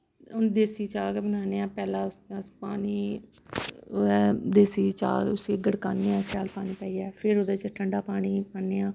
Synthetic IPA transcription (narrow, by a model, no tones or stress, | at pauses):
ʊnd̪eːsiːt͡ʃaːɡbənaːneːãːpɛːlãːsaspaːniː | ɛːd̪eːsiːt͡ʃa̰ːɡʊsiːɡəɽkaːneːãːsaːlpaːniːpɛːiːɛːpʰɪɾoːd̪eːt͡ʃəʈʰəɳɖaːpaːɽ̃iːpaːneːãː